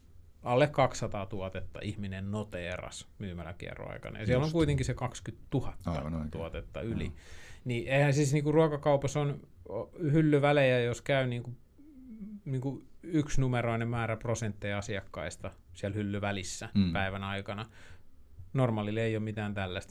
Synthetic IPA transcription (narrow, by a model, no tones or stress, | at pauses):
ɑlːekkɑksːɑt̪ɑːt̪uɑt̪et̪ːɑ̰ʔihminennot̪eːrɑ̰smyːmælæ̰kḭæ̰ro̰ɑ̰ikɑ̰nɑ̰jɑsiælːoŋkuit̪eŋkisekɑkskyt̪t̪uhɑt̪ːɑt̪uɑt̪et̪ːɑ̰ylḭnieihænsisniːkuruɑkɑkɑupɑson | ohylːyʋælejæjoskæyniːŋku | niːŋkuyksnumeroinemmæːræprosent̪ːeiɑsiɑkːɑist̪ɑ | siælhylːyʋælisːæpæiʋænɑikɑnɑ | normɑːlileijomit̪æːnt̪ælːæst̪